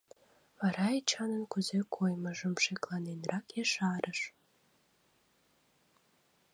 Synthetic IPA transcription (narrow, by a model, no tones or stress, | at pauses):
βɑɾɑet͡ɕɑnənkuzekʰojmə̆ʒə̆mʃeklɑnenrɑkjeʃɑɾʔəʃ